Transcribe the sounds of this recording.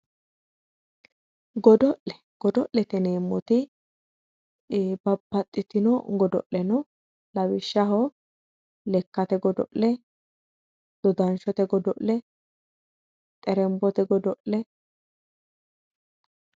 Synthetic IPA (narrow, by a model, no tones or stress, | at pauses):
ɡɔd̪ɔʔɛ | ɡ̥ɔd̪ɔʔlɛt̪ɛneːmːɔt̪ɪ | bɐbːɐt̪ʼːɪt̪ɪnɔɡɔd̪ɔ̰ʔːɛnɔ | lɐwɪʃːɐɦɔ | lɛkːɐt̪ɛɡɔd̪ɔ̰ʔlɛ | d̪̥ɔd̪ɐnʃɔt̪ɛɡɔd̪ɔ̰ʔlɛ | t̪ʼɛɾɛmbɔt̪ɛɡɔd̪ɔʔlɛ